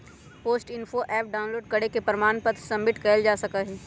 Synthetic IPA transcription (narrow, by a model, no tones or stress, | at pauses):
poːsʈɪnfoʔɛːp̚ɖaːʊ̃nloːɖ̚kɐɽekepɾɪmaːnpət̪sɐ̃mːɪʈkɛɪld͡ʒaːsɐkaɦɛː